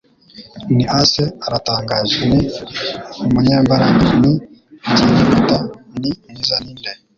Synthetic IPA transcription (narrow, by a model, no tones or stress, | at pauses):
niʔaseaɾataːŋɡaːzini | umuɲeːmbaɾaŋaniɟinimutanimizaniːnde